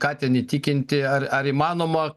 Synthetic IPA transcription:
kɑːt̪ʲɛniːt̪ʲikʲɪnʲt̪ʲɪɐrɐɾɪmɑːnoːmɐ

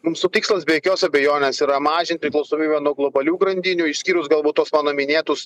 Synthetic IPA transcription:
mʊmsʊt̪ʲɪːkslˠɐsbʲeːjɛkʲoːsɐbʲɛjoːnʲeːsiːɾɐmɑːʒʲɪnt̪̚ʲpʲɾʲɪklˠɐʊsoːmʲiːbʲɛnuɔɡlˠɔbɐlʲuːɡɾɐnʲd̪ʲɪnʲʊːɪʃʲsʲkʲiːɾʊsɡɐlˠbuːt̪ːoɔsmɑːnoːmʲɪnʲeːt̪ʊs

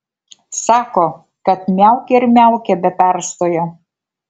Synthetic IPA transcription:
sɑːkoː | kɐt̪mʲæˑʊkʲɛɪɾmʲæˑʊkʲɛbʲɛpʲæˑɾst̪oːjoː

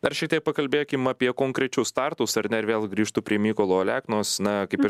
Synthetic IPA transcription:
d̪ɐrʃʲɛɪk̚t̪ʲiɛpɐkɐlʲbʲeːjkʲɪmɐpʲiɛkoːŋkɾʲɛt͡ʃʲʊst̪ɑrt̪ʊsɐɾnʲɛɪɾʋʲeːlˠɡɾʲiːʃt̪ʊpʲɾʲiɛmʲiːkoːlˠoːlʲæːknoːsnɐkɐɪpɪɾ

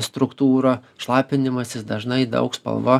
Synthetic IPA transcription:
st̪ɾʊkt̪uːɾoːʃlˠɑːpʲɪnʲɪmɐsʲɪsd̪ɐʒnɐɪd̪ɐ̰ʊkspɐ̰lˠʋoː

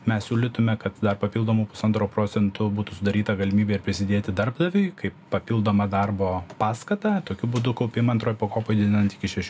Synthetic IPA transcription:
mʲɛsʲsʲuːlʲɪt̪ʊmʲɛkɐt̪d̪ɐrpɐpʲilˠd̪oːmuːpʊ̥sɐnt̪ɾoːpɾoːt̪sʲɛnt̪ʊbuːt̪ʊsʊd̪ɐɾʲiːt̪ɐɡɐlʲɪmʲiːbʲeːɪɾpʲɾʲɪsʲɪd̪ʲeːt̪ʲɪd̪ɐrbd̪ɐʋʲʊɪkɐɪppɐpʲiːlˠd̪oːmɐd̪ɐrboːpɑːskɐt̪ɐt̪oːkʲʊbʊd̪ʊkɐʊpʲɪmɐnt̪ɾoːjpoːkoːpoːjd̪ʲɪd̪ʲɪnɐnt̪ɪkʲɪʃʲɛʃʲ

